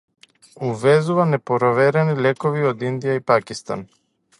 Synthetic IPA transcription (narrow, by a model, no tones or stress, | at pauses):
uvɛzuvanɛpoɾovɛɾɛnilʲɛkɔviod̪ind̪ijaipakist̪a̰n